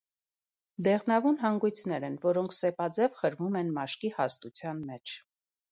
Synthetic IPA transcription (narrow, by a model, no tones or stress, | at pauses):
d̪ɛʁnɑvunɦɑŋɡujt͡sʰnɛɾɛnvɔɾɔŋkʰsɛpɑd͡zɛvχəɾmumɛnmɑʃkihɑst̪ut͡sʰjɑnmɛt͡ʃʰ